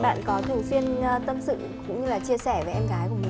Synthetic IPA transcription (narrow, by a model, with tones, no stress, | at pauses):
ɓa̰ː˧˨nkɔ˨˦t̪ʰɨ˨˩əŋswi˧ənt̪ə˧msɨ̰˧˨kʊ̰˧˥ŋ͡mɲɨ˧laː˨˩t͡ɕi˧əsɛ˧˩ve˨˩ʔɛ˧mɣaː˨˦jku˧˩əmi˨˩